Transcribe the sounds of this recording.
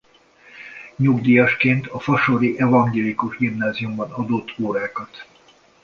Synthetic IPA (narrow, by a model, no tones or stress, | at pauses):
ɲuɡd̪ijɒʃkeːnt̪ʰɒfɒʃoɾiʔɛvɒŋɡeːlikuʒɡimnaːzijumbɒnɒd̪ot̪ʰːoːɾaːkɒt̪